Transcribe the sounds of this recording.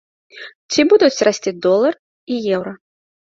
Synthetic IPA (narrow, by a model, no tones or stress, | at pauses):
t͡sʲibud̪ut͡sʲrasʲt͡sʲid̪ɔlˠɐr | ijɛwɾɐ